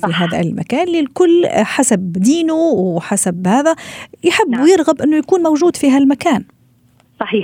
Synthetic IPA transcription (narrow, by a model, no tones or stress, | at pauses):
fiɦaːðæ̰lma̰kaːnlilkʊlːħasabd̪iːnuwħasabhæːðæjħɪbːwjɪɾɣabʔɪnːʊjakuːnmowʒuːd̪fiɦælmakaːn | sˤɑħiː